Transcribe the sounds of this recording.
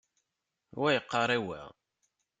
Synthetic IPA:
wæjəqːɑɾˤæwæ̰

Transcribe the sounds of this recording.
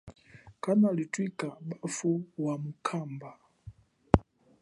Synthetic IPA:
kanalitwikabafuwamukʰamba

